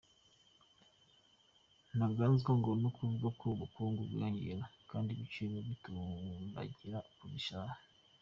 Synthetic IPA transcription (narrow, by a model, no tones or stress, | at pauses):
naɡaːnzɡaŋɡonokʰuβɡokʰuβukuːŋɡuɡḭɾaɲḭɾakaːndiβit͡ʃimoβituna̰ɟiɾakuβiʃaːha